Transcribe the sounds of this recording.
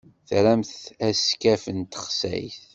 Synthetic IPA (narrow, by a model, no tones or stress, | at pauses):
θɾæmθæskæfənt̪ə̥χsæ̰jθ